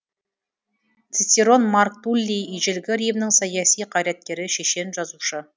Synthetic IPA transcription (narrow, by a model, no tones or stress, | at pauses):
t̪sɪt̪ʲiɾo̞nmark̚t̪ulʲːijiʒɪlɡʲɪɾijmnɪŋsɑjɑsijqʰɑjɾæt̪̚kʲe̞ɾɪʃe̞ʃe̞nʒɑzuʃə